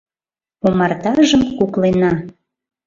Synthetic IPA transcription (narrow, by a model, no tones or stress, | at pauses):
omɑrt̪ɑʒəmkuklenɑ